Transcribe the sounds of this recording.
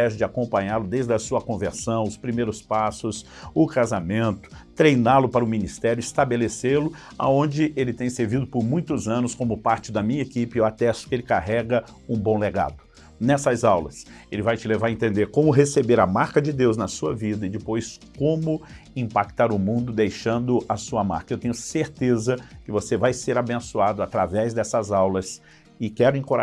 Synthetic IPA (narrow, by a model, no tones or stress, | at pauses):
ɛʒɐd͡ʒɪakõmpɐ̃ɲaɾlʊd̪ejzd̪ɐsuɐkõveɾsɐ̃w̃ʊspɾimejɾʊspasʊs | ʊkazamẽnt̪ʊ̥t̪ɾejnalʊpaɾɐʊmĩnist̪ɛɾjʊɪst̪abeleseɾlʊ | a̰õnd͡ʒɪʔelɪt̪ẽj̃seɾvid̪ʊpʊɾmũj̃t̪ʊzɐ̃nʊskõmʊpaɾt͡ʃɪd̪ɐmĩɲɐekipɪewat̪ɛsʊ̥kelɪkaɦɛɡɐ | ũbõw̃leɡa̰d̪ʊ | nɛsɐzawlɐselɪvajt͡ʃɪlevaɾɐẽnt̪ẽnd̪eɾkõmʊɦesebeɾɐmaɾkɐd͡ʒɪd̪ewznɐsuɐvid̪ɐɪd͡ʒɪpojskõmʊ | ĩpak̚t̪aɾʊmũnd̪ʊd̪ejʃɐ̃nd̪ʊʔɐsuɐma̰ɾkɐewt̪ẽɲ̃ʊseɾt̪ezɐkɪvosevajseɾabẽsuad̪ʊat̪ɾavɛzd̪ɛsɐzawlɐs | ɪkɛɾʊĩkoɾa